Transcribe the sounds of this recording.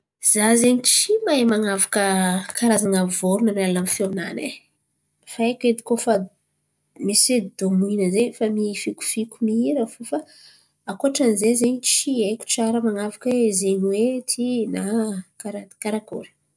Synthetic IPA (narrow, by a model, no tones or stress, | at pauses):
z̥azeɲit͡ʃimaemaŋavakəkaɾazaŋavoɾunanalamfiona̰ne | faeked̪i̥kofa | mised̪omuinəzeɲfamifiku̥fikumiiɾəfufa | akoaʈ͡ʂanizezeɲit͡ʃieku̥t͡ʃaɾəmaŋavakəezeɲwet̪ʰinakaɾakaɾako̰ɾi̥